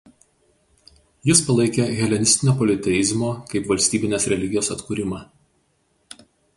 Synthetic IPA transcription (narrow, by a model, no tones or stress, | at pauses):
jɪspɐlˠɐɪkʲeɣʲɛlʲɛnʲɪsʲt̪ʲɪnʲoːpɔlʲɪt̪ʲɛjɪzmoːkɐɪpʋɐlʲsʲt̪ʲiːbʲɪnʲeːsɾʲɛlʲɪɡʲɪjoːsɐt̪kuːɾʲɪmɑː